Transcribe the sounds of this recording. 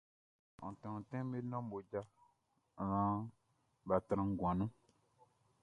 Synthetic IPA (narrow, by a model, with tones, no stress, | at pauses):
ɔ̰̃˨tɔ̃˨tɛ̃˦me˦nɔ̃˦m˦bo˨d͡ʒa˦˨ | ɾã˦ | ba˨tɾã˨ŋ˨ɡwã˨nũ˦